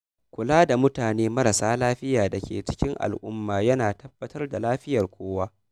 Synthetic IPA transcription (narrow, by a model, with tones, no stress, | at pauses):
kʷʊ˨laː˦da˨mʊ˦taː˨neː˦mɐ˦ɾɐ˨saː˦laː˦ɸɪ˦jaː˨da˨kʲḛː˨t͡ʃɪ̥˦kʲɪ˦ŋʔa̰˨lʔʊ̰˦mːaː˨jɐ˦naː˨tʰɐ˦b̥ːɐ˦tɐ˦rda˨laː˦ɸɪ˦jɐ˨rkʷʰoː˦waː˦